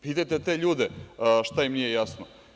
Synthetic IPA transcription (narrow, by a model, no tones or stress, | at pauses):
piːt̪ajt̪et̪eʎuːd̪eʃt̪ajimnijejasno